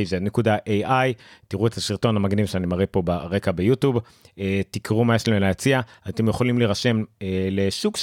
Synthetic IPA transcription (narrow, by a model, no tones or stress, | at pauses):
zednekudaʔejajt̪iʁuet̪aʃiʁto̞nhamaɡnivʃeanimaʁepo̞baʁe̞kabejut̪jub | et̪ikʁumajeʃlamelajat͡siaat̪e̞mjeχolimliʁaʃe̞mele̞ʃukʃ